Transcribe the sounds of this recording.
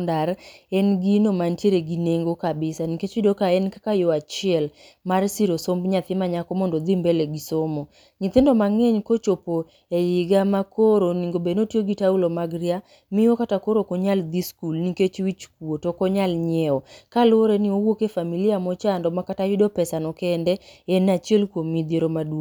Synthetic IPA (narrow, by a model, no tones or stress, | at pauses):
ndaɾɛnɡinomantjeɾeɡineŋɡokabɪsaniket͡ʃwidokaɛnkakajoat͡ʃɪɛl | marsiɾosombɲat̪ɪmaɲakɔmɔndod̪imbɛleɡisomo | ɲɪt̪ɪndɔmaŋeɲkot͡ʃopo | ejɪɡamakoɾoniŋɡobenotjoɡitaulomaɡɾia | mɪokatakoɾokoɲald̪iskulniket͡ʃwit͡ʃkuwotokɔɲalɲɛɔkalʊoɾɛnɪowokefamiliamɔt͡ʃandɔmakatawidopɛsanɔkɛndɛɛnat͡ʃielkwomid̪jeɾomadu